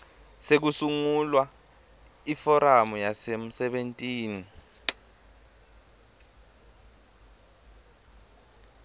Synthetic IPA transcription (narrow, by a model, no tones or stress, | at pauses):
sek̬usuŋulwa | ifɔɾamujasem̩sɛɓentʼiːni